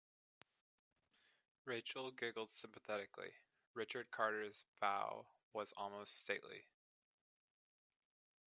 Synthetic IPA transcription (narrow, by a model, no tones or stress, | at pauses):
ɹeɪt͡ʃl̩ˠɡɪɡl̩ˠd̥sɪ̃mpəθɛɾɨklḭ | ɹɪt͡ʃə˞d̚kʰɑɹɾə˞zv̥aʊwʌzɔ̰lˠmoʊststeɪʔlḭ